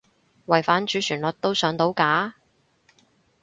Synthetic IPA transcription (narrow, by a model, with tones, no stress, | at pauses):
wɐ˨jfaː˨˥nt͡ʃyː˨˥t͡ʃʰyː˨˩nlɔ˨t̚t̪o˥wsœː˨˥ŋt̪o˨˧˥wkaː˨˥